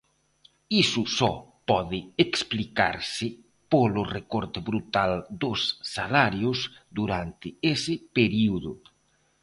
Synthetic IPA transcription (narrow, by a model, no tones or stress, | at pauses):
isʊsɔpɔðɪeksplika̰ɾsɪ | polʊrekɔɾt̪ɪβɾut̪ald̪osːalaɾjʊzd̪uɾant̪ɪesɪpeɾiuðʊ̰